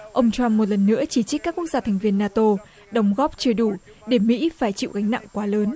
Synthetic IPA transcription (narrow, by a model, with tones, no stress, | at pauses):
ʔə˧wŋ͡mt͡ɕwa˧mːo˨˩t̬̚lə˨˩nːɨ̰˧˥ət͡ɕi˧˩t͡ɕk̚kaː˦˥kːu˦˥ək̚zaː˧t̪ʰɛ˨˩jŋ̟vi˧ənːaː˧t̪o˧ | ɗə˨˦wŋ͡mɣɔ˦˥p̚t͡ɕəː˨˩ɗu˧˩ɗe˧˩mḭ˧˥faː˧˩jt͡ɕḭ˧˨wɣa˨˦jŋ̟na̰˧˨ŋkwaː˨˦ləː˨˦n